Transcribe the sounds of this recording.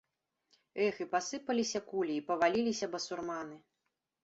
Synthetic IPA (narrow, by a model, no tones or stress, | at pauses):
ɛxɨpasɨpɐlʲisʲɐkulʲiːpɐvalʲilʲisʲɐbɐsurmanɨ